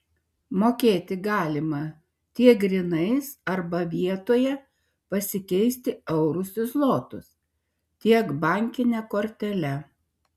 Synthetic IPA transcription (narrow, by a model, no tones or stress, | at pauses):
moːkʲeːt̪ʲɪɡɑːlʲɪmɐ | t̪ʲiɛk̚ɡɾʲɪnɐɪsɐɾbɐʋʲiɛt̪oːjɛ | pɐsʲɪkʲɛɪsʲt̪ʲɪɛʊɾʊsʲɪslˠoːt̪ʊs | t̪ʲiɛkbɑˑŋʲkʲɪnʲɛkoːɾʲt̪ʲɛlʲɛ